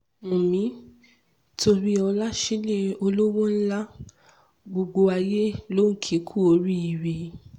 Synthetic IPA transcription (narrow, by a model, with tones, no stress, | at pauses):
mũ˨mĩ˨˦ | tʰo˧ɾi˦ɔ˧la˦ʃi˦le˦o˧lo˦wɔ̃˦n̩˦la˦ | ɡ͡bo˧ɡ͡bo˧a˧je˦lo˦ŋ̩˦kʰi˨˦kʰu˦o˧ɾi˦i˨we˨